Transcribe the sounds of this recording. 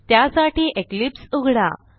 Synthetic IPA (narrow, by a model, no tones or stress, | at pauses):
t̪jasaʈiːʔeklipsuɡʱɽa̰